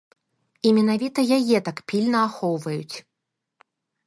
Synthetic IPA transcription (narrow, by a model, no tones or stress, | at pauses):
imʲɛnavʲit̪ɐjajɛt̪akpʲilʲnɐaxɔwvɐjut͡sʲ